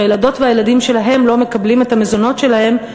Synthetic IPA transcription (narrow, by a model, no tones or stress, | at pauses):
jelado̞tveajeladimʃe̞laɦe̞mlome̞kablimetame̞zo̞notʃe̞lahe̞m